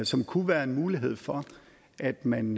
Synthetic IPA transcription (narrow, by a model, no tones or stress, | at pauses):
sɒ̽mkʰuʋæːɐe̝nmuːliɦe̝ð̰ˠfɒ | ʔæd̥mæn